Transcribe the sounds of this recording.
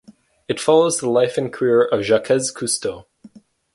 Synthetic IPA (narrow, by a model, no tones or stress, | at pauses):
ɨtfɑlˠoʊzðəlaɪfɨ̃nkʰə˞ɪɹʌvʒakʰɛz̥kʰʉstoʊ